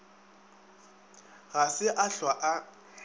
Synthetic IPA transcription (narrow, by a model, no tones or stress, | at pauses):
ɣasɪʔaɬwaʔa